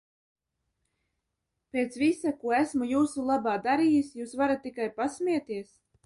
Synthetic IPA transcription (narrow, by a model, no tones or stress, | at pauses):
pʲeːt̪svisakuɔæsmujuːsulˠabaːd̪aɾijisjuːsvaɾat̪ːikajpasmʲiɛt̪iɛs